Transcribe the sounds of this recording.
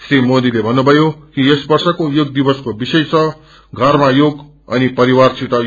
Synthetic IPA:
srimod̪ilebʱʌnːubʱʌjokiesbʌrsʌkojoɡ̚d̪ibʌskobisʌjt͡sʰʌ | ɡʱʌrmajoɡ | ʌ̰nipʌɾiwarsit̪ʌ

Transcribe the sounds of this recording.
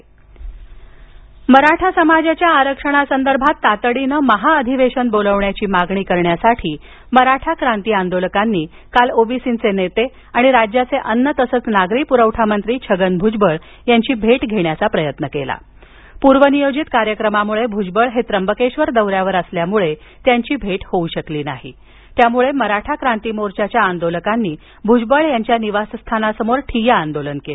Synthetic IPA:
məɾaʈʰasəmad͡ʑat͡ɕjaːɾəkʂəɽ̃asənd̪əɾbʱat̪ːat̪ɽinəməɦaəd̪ʱiʋeɕənboləʋɳjat͡ɕiːmaɡɳiːkəɾɳjasaʈʰiː | məɾaʈʰakɾãnt̪iːãnd̪olkanːiː | kalobisint͡senet̪e | aɽ̃iɾad͡ʑjat͡seʔənːət̪əsət͡snaɡɾiːpuɾəʋʈʰamənt̪ɾiːt͡ɕʰəɡənbʱud͡ʑbəɭ | jaɲt͡ɕiːbʱeʈɡʱeɽjat͡sapɾəjət̪nəkela̰ | puɾʋənijod͡ʑit̪kaɾjəkɾəmamuɭebʱud͡ʑbəɭɦet̪ɾəmbəkeɕʋəɾd̪əwɾjaʋəɾəsljamuɭe | t̪jaɲt͡ɕiːbʱeʈhouɕəkliːnaɦḭ | t̪jamuɭeməɾaʈʰakɾant̪iːmoɾt͡ɕat͡ɕjaːnd̪oləkanːiː | bʱud͡ʑbəɭjaɲt͡ɕjaniʋasst̪ʰanasəmoɾʈʰijaːnd̪olənkele

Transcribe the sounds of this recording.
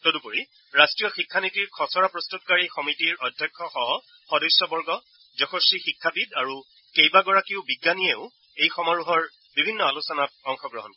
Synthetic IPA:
todupoɹi | ɹastɹijɔxikʰːanitiɹkʰɔsɔɹapɹɔstutkaɹixɔmitiɹɔdʱːjakʰːɔxɔɦɔ | xɔdɔjsːɔbɔɹɡɔ | zɔxosixikʰːabidaɹu | kejbaɡɔɹakiʊbiɡːanieʊ | ejxɔmaɹuɦɔɹ | bibʱinːɔalusɔnat̚ɔŋxɔɡɹɔɦɔnkɔ

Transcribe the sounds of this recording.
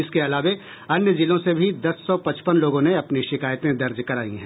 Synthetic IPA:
ɪskeɐlaːʋe | ɐnjəd͡ʒɪlõsebʱid̪ɐsːɔpɐt͡ʃpənloːɡõneɐpniʃɪkaːjt̪ẽd̪ɐɾd͡ʒkɐɾaːḭ̃ɦɛ̃ː

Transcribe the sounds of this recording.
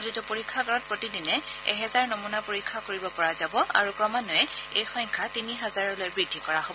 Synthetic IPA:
zutupoɹikʰːaɡaɹɔt̚pɹotidinɛɛ̰ɦɛzaɹnomunapoɹikʰːakoɹibɔpɔɹazabɔa̰ɹukɹɔmanɔjɛejxɔjŋkʰatiniɦɛzaɹɔlojbɹidʱːikɔɹaɦobɔ

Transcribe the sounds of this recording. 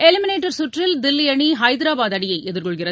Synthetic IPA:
ɛlɪmɪneːʈːɐɾsʊʈrɪld̪ɪlːɪjɐɳiɦɐɪd̪ɪɾaːbaːðɐɽɪjɐɪʔɛðɪɾkɔɭɣɪrɐ

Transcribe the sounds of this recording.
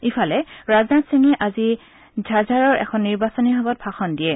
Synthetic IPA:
ipʰalɛɹaznatsiŋɛʔazi | d͡ʒʱazaɹɔɹʔɛ̰kʰɔnːiɹbasɔniɦɔbɔt̚bʰʱaxɔndiɛ

